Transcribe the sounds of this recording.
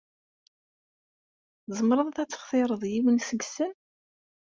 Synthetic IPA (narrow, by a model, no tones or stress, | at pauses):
zˤəmɾˤəðˤθæt͡sːə̥χθɪɾˤəðˤjiwənsəɡsən